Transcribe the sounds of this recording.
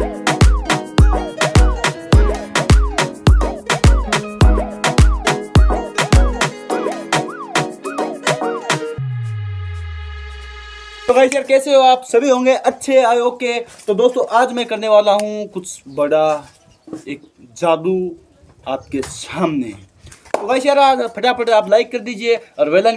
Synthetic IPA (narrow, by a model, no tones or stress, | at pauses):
t̪oɡaːiʃɛɾkɛːseɦoaːpsɐbʱiɦõːŋɡeʔɐtːʃʰeaːjoːket̪od̪oːst̪õʔaːd͡ʒmɛ̃kɐɾneʋaːlaɦũkʊt͡ʃʰbɐɽa | eːk̚d͡ʒaːd̪u | aːp̚kesaːmne | t̪oɡaːiʃɛːɾaːd͡ʒpʰɐʈapʰəʈeaːplaːɪkːɐɾd̪iːd͡ʒieɔːɾʋeːlan